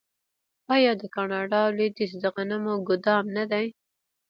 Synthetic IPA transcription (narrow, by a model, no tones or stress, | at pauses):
ɑjɑd̪əkɑnɑɖɑled̪isd̪əɣanamoɡʊd̪ɑmnad̪aj